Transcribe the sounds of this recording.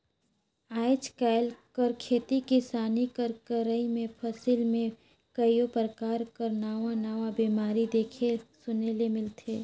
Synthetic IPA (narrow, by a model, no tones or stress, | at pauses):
aːɪt͡ʃkaɪlkəɾkʰeːt̪itkisaːnikəɾkəɾəimẽpʰəsilmẽ | kəijopəɾəkaːɾkəɾnaːʋãnaːʋãbiːmaːɾid̪eːkʰesʊnelemɪlt̪ʰeː